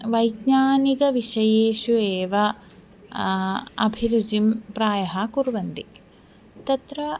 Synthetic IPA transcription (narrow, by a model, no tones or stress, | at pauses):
ʋɐjɡɲaːniɡɐʋiʃɐjeːʃueːʋɐ | ɐbʱiɾud͡ʒimpɾaːjɐɦɐkuɾʋɐnd̪ik | t̪ɐt̪ɾɐ